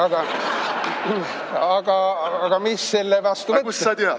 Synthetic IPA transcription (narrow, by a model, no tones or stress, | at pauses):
ɑɡ̥ɑ | ɑɡ̥ɑɑɡ̥ɑmisːelːevɑst̪uetkuːɑt̪eɑ